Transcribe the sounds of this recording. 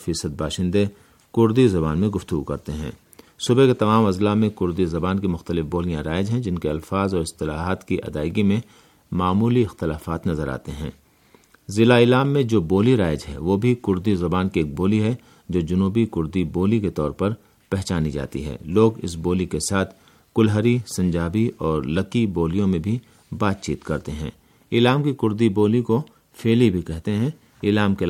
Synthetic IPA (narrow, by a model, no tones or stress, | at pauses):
fiːsəd̪̚baːʃɪ̃nd̪e | kʊɾd̪izɐbaːnmẽɡʊft̪ʊɡukɐɾt̪eɦɛ̰̃ː | sʊbeket̪ɐmaːmɐzlamẽkʊɾd̪izɐbaːnkimʊxt̪əlɪfboːlijãɾaːɪd͡ʒɦɛ̃d͡ʒɪnkeɐlfaːzɔːɾɪst̪ɪla̰ːɦaːt̪kiʔɐ̰d̪a̰ːɪɡimẽ | maːmuːliɪxt̪ɪlaːfaːt̪nɐzəɾa̰ːt̪eɦɛ̰̃ː | zɪlaɪlaːmːẽd͡ʒoːboːliɾaːɪd͡ʒɦɛ̰ʋoːbʱikʊɾd̪izɐbaːnkieːk̚boːliɦɛ | d͡ʒoːd͡ʒʊnuːbikʊɾd̪iboːliket̪ɔːɾpɐɾ | pɛɦt͡ʃaːnid͡ʒa̰ːt̪ḭɦɛ̰ːloːɡɪ̰sboːlikesaːt̪ʰ | kʊlɦəɾisɐ̃ɲd͡ʒaːbiɔːɾlɐkiboːlijõmẽbʱi | baːt̪t͡ʃiːt̪kɐɾt̪eɦɛ̰̃ː | ɪlaːmkikʊɾd̪iboːliko | feːlibʱikɛɦt̪eɦɛ̃ | ɪlaːmke